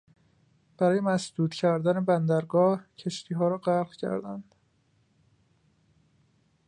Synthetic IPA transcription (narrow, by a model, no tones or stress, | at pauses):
b̥æɾɒːje̞mæsd̪uːt̪cʰæɾd̪æne̞bænd̪æɾɡɒːhcʰe̞ʃt̪ʰiːɦɒːɾɒːɢælɣcʰæ̰ɾd̪æ̰nd̪̥